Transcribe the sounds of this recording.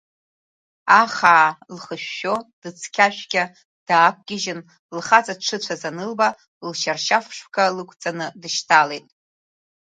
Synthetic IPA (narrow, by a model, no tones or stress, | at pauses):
aχaːlχəʃᶣːo̞d̥ɨt͡sʰkʲʰaʃʷᶣɡʲa | d̥aːk̚ʷʰʼɡʲɪʒɪn | lχat͡sʼaʈ͡ʂʰɨt͡ɕʷʰazanɨlba | lʃarʃafʂkʰalɨkʷʰʼt͡sʼanɨdɨʃtʰalejtʼ